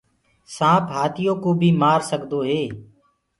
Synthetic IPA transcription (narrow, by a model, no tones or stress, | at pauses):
sãːpɦaːt̪ɪjoːkoːbʱiːmaːɾsəɠd̪oːɦeː